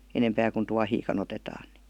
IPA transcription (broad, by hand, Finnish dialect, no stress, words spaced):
enempæː kun tuɑhiːkɑn otetɑːn n̥i̥